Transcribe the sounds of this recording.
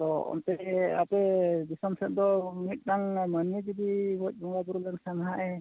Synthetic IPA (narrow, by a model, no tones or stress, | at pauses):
t̪ɔɔ̰nt̪ɛa̰pɛd̪isɔmsɛʔ̚d̪ɔmit̪̚ˀnaŋmanied͡ʒid̪ibɔc̚ˀbɔŋɡabuɾulaŋsanɦaʔɛ